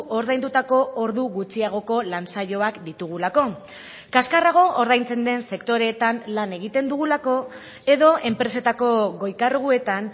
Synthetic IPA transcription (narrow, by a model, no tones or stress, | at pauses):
ʔo̞ɾðajnd̪ut̪ako̞oɾðuɣut͡siaɣ̞o̞ko̞lansaʎo̞akd̪it̪uɣ̞ulako̞ | kaskaraɣ̞o̞ʔoɾðajnt͡se̞nd̪e̞nse̞kt̪o̞ɾe̞ːt̪anlane̞ɣit̪e̞nd̪uɣ̞ulako̞ | e̞ðo̞ʔe̞mpɾe̞se̞t̪ako̞ɣo̞jkarɣue̞t̪an